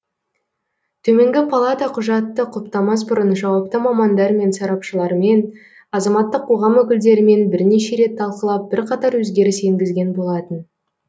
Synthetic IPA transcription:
t̪ʰɵme̞ŋɡʲɪpʰalˠat̪ɑqʰʊʒɑt̪ːəqʰʊp̚t̪ɑmɑs̬bʊɾənʒɑwɑp̚t̪əmɑmɑnd̪ɑɾme̞nsɑɾɑpʃəlˠɑɾme̞n | ɑzɑmɑt̪ːəqʰːo̞ʁɑmwɵkʲɪld̪e̞ɾɪme̞nbɪɾne̞ʃe̞ɾe̞t̪ʰːɑlˠqəlˠɑp̚b̥ɪɾqʰɑt̪ɑɾwɵzɡʲe̞ɾɪse̞ŋɡʲɪzɡʲe̞nbo̞lˠɑt̪ən

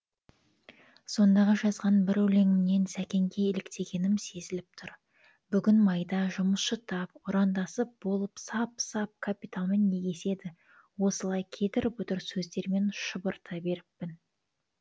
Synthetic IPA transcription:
so̞nd̪ɑʁɑʒɑzʁɑnbɪɾɵle̞ŋɪmne̞nsækʲe̞ŋɡʲe̞ːlɪkt̪ʰe̞ɡʲe̞nɪmse̞zɪlɪp̚t̪ʰʊɾ | bʏɡʲɪnmɑjd̪ɑʒʊməsʃət̪ʰɑp̚ʊɾɑnd̪ɑsəp̚bo̞lˠəpsɑpsɑp̚kʰapit̪alˠmenːe̞ɡʲe̞se̞d̪ɪ | wo̞səlˠɑjkʲʰe̞t̪ɪɾɪpʊt̪ʊɾsɵzd̪e̞ɾme̞nʃəbəɾt̪ʰɑbe̞ɾɪpːɪn

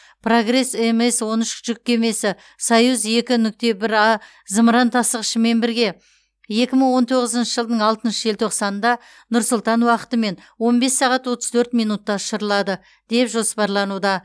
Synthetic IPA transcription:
pʰro̞ɡre̞seme̞swo̞nɪʃʒ̥ʏk̚ːʲe̞me̞sɪ | sɑjuze̞kʲɪnʏk̚t̪e̞bɪɾɑ | zəmɾɑnt̪ʰɑsəʁəʃəme̞mbɪɾɡʲe̞ | je̞kʲɪməɴwo̞nt̪ʰo̞ʁəzənʃəʒəlˠd̪əɴɑlˠt̪ənʃəelt̪ʰoqsɑnənd̪ɑ | nʊɾsʊlˠt̪ɑnwɑqə̥t̪əme̞nwo̞nbe̞sːɑʁɑt̪wo̞t̪əz̥t̪ʰɵɾt̪mijnut̪ːɑʃəɾəlˠɑd̪ə | d̪̥e̞pʒo̞spɑɾlˠɑnud̪ɑ

